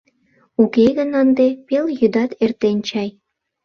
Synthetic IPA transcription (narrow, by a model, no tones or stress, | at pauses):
ukeɣənənd̪epeljyd̪ɑt̪ert̪enʲt͡ɕɑj